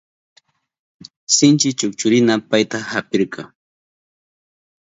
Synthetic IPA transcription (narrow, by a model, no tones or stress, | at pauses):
sɪnt͡ʃɪt͡ʃʊkt͡ʃʊɾɪnapajt̪ahapɪɾkɑ